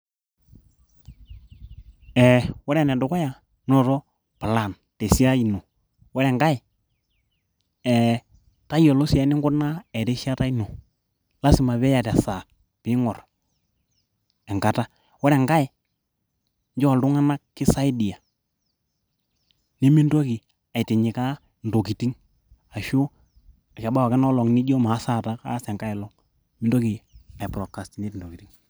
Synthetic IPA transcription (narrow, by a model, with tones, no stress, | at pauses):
ɛ˨wɛ˦ɾɛ˦˨nɛ˨dʊ˨kɔ˦ja˨ | nɔ˦˨ɾɔ˦ | pa˨la˨n | te˨si˦a˦i˨no˨ | wɛ˦ɾɛ˨ŋɡa˦ɛ˨ | ɛ˨ | ta˦jɔ˨lɔ˦sa˦nɪ˦ŋɡʊ˦na˦ɛ˨ɾe˦ʃa˦ta˦i˦no˨ | la˦si˨ma˨βɛ˦ja˨ta˨sa˨ | pɪ˦ŋɔ˨r | ɛ˨ŋka˨ta˦ | wɔ˦ɾɛ˨ŋka˦ɪ˨ | ɲd͡ʒɔ˦˨ldʊ˦ŋa˦na˦kːɪ˦sa˦ɪ˦di˨a˨ | ni˦mi˦ndo˦ki˨ | a˨ɪ˨tɪ˨ɲɪ˨ka˦ | ndo˨ki˨ti˦ŋ | a˨ʃʊ˦˨ | ka˨ba˦wa˨kɛ˦nɔ˦lɔ˨ŋnɪ˦d͡ʒɔ˦ma˨˦sa˦˨ta˦ka̰˦sɛ˨ŋka˦ɪ˨lɔ˦ŋ | mɪ˦ndɔ˦kɪ˨a˨ɪ˨pɾɔ˨kːa˨sti˨ni˦tndo˨ki˨ti˦ŋ